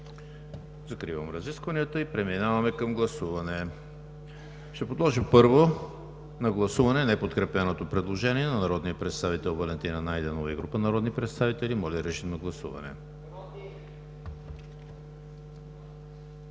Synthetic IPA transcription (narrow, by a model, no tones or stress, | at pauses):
zɐkɾivəmɾɐziskvəniət̪əipɾɛminavɐmɛkɐmɡlˠɐsuvɐnɛ | ʃt̪ɛpod̪lˠɔʒipɤɾvo | nɐɡlˠɐsuvɐnɛnɛpot̪kɾɛpɛnot̪opɾɛd̪lˠoʒɛniɛnɐnɐɾɔd̪nijəpɾɛt̪st̪avit̪ɛlˠvɐlɛnt̪inɐnajd̪ɛnoviɡɾupənɐɾɔd̪nipɾɛt̪st̪avit̪ɛlimɔlʲɛɾɛʃit̪nɐɡlˠɐsṵvɐ̰nɛ̰